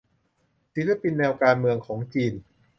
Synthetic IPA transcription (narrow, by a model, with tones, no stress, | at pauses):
si˨˦tla˧pi˧nːɛː˧wkaː˧nmɯ˧əŋkʰɔː˩˦ŋt͡ɕiː˧n